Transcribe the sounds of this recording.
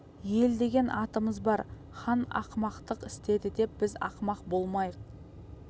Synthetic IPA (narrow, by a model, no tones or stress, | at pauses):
je̞ld̪e̞ɡʲe̞nʔɑt̪əməzbɑɾ | χɑnɑ̰qmɑqt̪əqɪst̪e̞d̪ɪd̪e̞p̚b̥ɪzɑ̰qmɑq̚bo̞lˠmɑjəq